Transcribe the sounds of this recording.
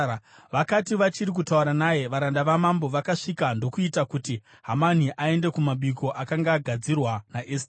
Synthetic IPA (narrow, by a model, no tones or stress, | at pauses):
ʋakatiʋat͡ʃiɾik̬utauɾanaje̞ʋaɾandaʋamambo̞ʋakaʂikando̞kuitakuti | ɦaman̤iʔae̞nde̞kumaɓikʰo̞ʔakaŋɡaːɡʱad͡zirwanaʔest